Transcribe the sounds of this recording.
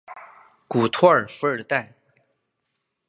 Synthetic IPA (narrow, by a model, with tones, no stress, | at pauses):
ku˨˩t̪ʰwɔ˥ə˨˩fə˞˨˩t̪a˥˩ɪ